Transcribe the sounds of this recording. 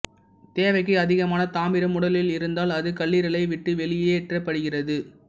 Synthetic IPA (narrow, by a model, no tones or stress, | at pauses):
t̪eːʋɐɪk̬ːɯɐðɪɣɐmaːnɐt̪aːmɪɾɐmʊɽɐlɪlɪɾɯnd̪aːlɐðɯkɐɭːiːɾɐlɐɪʋɪʈːɯʋɛɭɪjeːʈrɐpːɐɽɯɣɪrɐðɯ